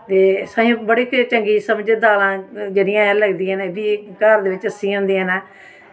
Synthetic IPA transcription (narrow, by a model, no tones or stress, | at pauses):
t̪eːsãːjũːbəɽiːkt͡ʃəŋɡiːsəmd͡ʒeːd̪aːlãːd͡ʒeːɽɪjãːɛ̃ləɡd̪iːɛ̃ːnːbiːkəɾd̪eːʋɪt͡ʃəsĩːʊ̃ːnd̪iːnɛː